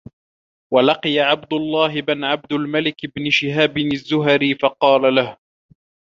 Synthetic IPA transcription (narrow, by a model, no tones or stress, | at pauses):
walɑqɨjaʕabd̪ʊlˤːɑːɦɪbɪnʕab̚d̪ʊlmalɪkɪbnɪʃɪɦaːbɪnazːʊɦaɾifɑqɑːlalah